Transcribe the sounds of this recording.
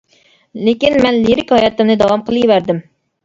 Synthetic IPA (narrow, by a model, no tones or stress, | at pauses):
lekʲinmɛnliɾɪkʲhɑjɑt̪ɪmnɨd̪ɑwɑmqʰəlˠɨjvæɾd̪ɪm